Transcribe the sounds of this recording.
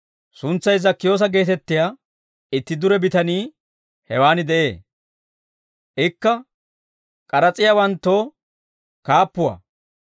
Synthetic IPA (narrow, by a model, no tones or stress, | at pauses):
sʊnt͡sːɐjzɐkːɪjo̞ːs̬ɐɡe̞ːt̪ɛt̪ːɪjaː | ɪt̪ːɪd̪ʊɾɛbɪt̪ɐniː | hɛwaːnɪd̪ɛʔe̞ː | ʔɪkːɐ | kʼɐɾɐt͡sʼɪjawɐnt̪ːo̞ː | kaːpːʊwɐ̰